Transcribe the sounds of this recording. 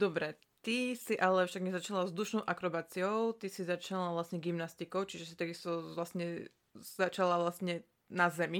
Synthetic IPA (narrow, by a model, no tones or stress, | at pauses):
d̪ɔbɾɛ | t̪isiʔalɛfʃaɡɲɛzat͡ʃalavzd̪uʃnɔʊʔakɾɔbaːt͡siɔʊt̪isizat͡ʃalaʋlasɲɛɡimnast̪ikɔʊt͡ʃiʒɛsit̪aɡist̪ɔʋlasɲɛ | z̥at͡ʃalaʋlasɲɛ | nazɛmi